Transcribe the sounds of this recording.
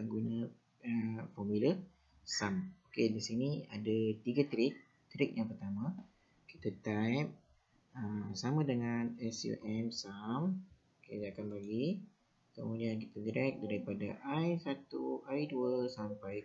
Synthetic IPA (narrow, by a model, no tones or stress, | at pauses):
aŋɡunə | əfɔmulə | samokedisinia̰dat̪iɡat̪ɾɪk̚ | t̪ɾɪk̚jaŋpərt̪amã | ki̥t̪at̪ajp̚ | əsamãdəŋanɛsjṵʔɛmsam | okedakanbaɡi | kəmudiankit̪adiɾɛk̚daɾipada̰ʔajsat̪uʔaiduəsampaj